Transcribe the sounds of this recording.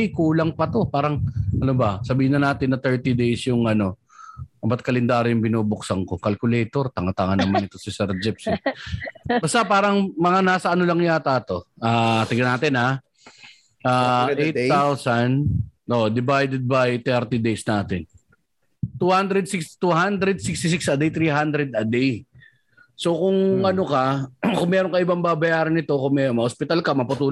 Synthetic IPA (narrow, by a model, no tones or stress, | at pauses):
ɪkuːlɐŋpɐt̪o̞paːɾɐŋʔɐnobɐsɐbiːhɪnɐnaːt̪ɪnːɐt̪ɛɹt̪id̪ejsjʊŋʔɐno̞ | ʔɐbɐt̪̚kɐlɛnd̪aːɾɪjʊŋbɪnuːbʊksɐŋko̞kɐlkʊlɛjt̪o̞ɾt̪ɐŋɐt̪aŋɐnːɐmannɪt̪o̞sɪsɛɾd͡ʒɪpsɪ | bɐst̪apaːɾɐŋmɐŋanaːsɐʔɐnolɐŋjaːt̪aːt̪o̞ʔaːt̪ɪɡɐnaːt̪ɪnha | ʔaej̪awsɐnʔoʔd̪ɪbajd̪ɛd̪̚bɐjt̪ɛɾt̪id̪ejsnaːt̪ɪn | t̪uːhand̪ɾɛd̪̚sɪkst̪uɦand̪ɾɛd̪sɪkst̪ɪs̬ɪksʔɐd̪ejt̪ɾiːɦand̪ɾɛd̪ɐd̪ɛj | so̞kʊŋʔɐnokɐkʊŋmɛːɾoŋkɐʔɪbaŋbaːbɐjaːɾɐnɪt̪o̞kʊŋmɛmɐʔospɪt̪alkɐmɐpʊt̪uː